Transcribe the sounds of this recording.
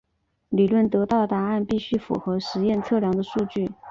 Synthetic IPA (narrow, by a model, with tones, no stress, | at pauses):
li˨˩lwə˥˩nt̪ɤ˧˥t̪ɑ˥˩ʊt̪a˧˥a˥˧npi˥˧ɕy˥˩fṵ˨˩xɤ˧˥ʂɻ̩˧˥jɛ˥˧nt͡sʰɤ˥˩ljɑ˧˥ŋd̪ə˧ʂu˥˧t͡ɕy˥˩